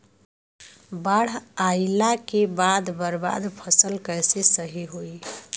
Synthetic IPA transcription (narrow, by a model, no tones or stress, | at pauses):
baɽ̤ailakebad̪bəɾba̰d̪pʰəsəlkəjsesəɦiɦoi